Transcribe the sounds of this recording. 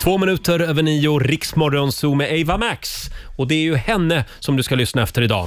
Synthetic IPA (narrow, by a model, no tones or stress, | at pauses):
t̪ʰvoːmɪnʉ̟ːt̪əɾøːvəɳiːʊɾɪksmɔɾɔnsuːmɛʔɛɪvamæksɔd̪ɛæɾjɵhɛnːəsɔmd̪ɵskalʏsnaɛft̪əɾɪd̪ɑ̰ː